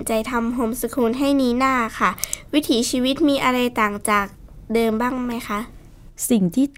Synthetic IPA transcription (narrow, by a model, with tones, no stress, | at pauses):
nt͡ɕa˧jt̪ʰa˧mɦo˧msa˧kʰuː˧nɦa˥˩jniː˧˥naː˥˩kʰa˥˩wi˦˥t̪ʰiː˩˦siː˧wi˦˥t̪̚miː˧ʔa˧ɾa˧jt̪aː˨˩ŋt͡ɕaː˨˩k̚dɤː˧mbaː˥˩ŋma˦˥jxʰa˦˥ʔ | si˨˩ŋt̪ʰiː˥˩